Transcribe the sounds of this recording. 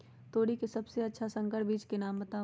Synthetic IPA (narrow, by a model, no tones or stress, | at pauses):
t̪oːɽikesɐbseɐtːʃʰasə̃ŋkəʈbiːt͡ʃkenaːmbɐt̪aː